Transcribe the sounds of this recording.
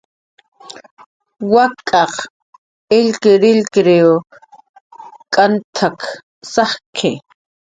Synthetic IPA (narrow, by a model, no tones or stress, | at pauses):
wakʼɑq | ɪlkɪɾɪlkɾeo | kʼant̪ʰak | sɑχkʰɪ